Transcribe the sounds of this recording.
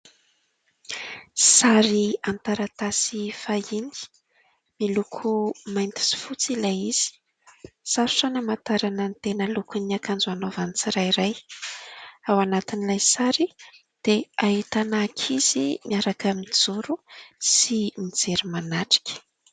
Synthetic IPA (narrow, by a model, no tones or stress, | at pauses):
saɾiant̪aɾat̪asifaini̥ | milukʰumajnt̪i̥si̥fut͡silajiz̥i̥ | saɾu̥sanəmant̪aɾanənt̪enəlukuniakand͡zuanovanit͡siɾajɾaj | awanat̪inilajsaɾi | d̪̥eaɦit̪anakʰiz̥imiaɾakamid͡zuɾusimid͡zeɾimanaʈ͡ʂi̥kʲə̥